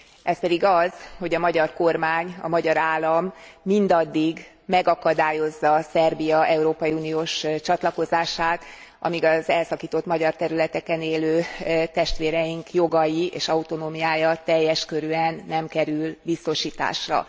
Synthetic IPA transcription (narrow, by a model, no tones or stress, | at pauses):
ʔɛspɛd̪iɡɒzho̞ɟɒmɒɟɒrko̞rmaːɲɒ̰mɒɟɒɾaːlːɒmːind̪ɒd̪ːiɡ | mɛɡɒkɒd̪aːjo̞zːɒsɛrbijɒɛuɾoːpɒjiuːnijoːʃt͡ʃɒt̪lɒko̞zaːʃaːt̪ | ɒ̰miɡɒzɛlsɒkiːt̪o̞t̪mɒɟɒrt̪ɛɾylɛt̪ɛkɛneːløːt̪ɛʃt̪ʋeːɾɛjiŋkjo̞ɡɒjiʔḛːʃɒut̪o̞noːmijaːjɒt̪ɛjːɛʃkø̞ɾyɛnːɛmkɛɾylbist̪o̞ʃiːt̪a̰ːʃrɒ̰